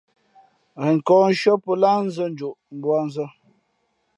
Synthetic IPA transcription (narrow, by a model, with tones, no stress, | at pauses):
ɣi˨ŋ̩˨kɔː˦n̩˦ʃɔ˦pə˦laː˦n̩˦zə˦n̩˦d͡ʒo˨ʔm̩˨bwa˦n̩˦zə˦